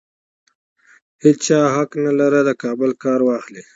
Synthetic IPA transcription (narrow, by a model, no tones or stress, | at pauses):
het͡ʃt͡ʃɑɦaknalaɾəd̪əkɑːbəlkɑːɾwɑxli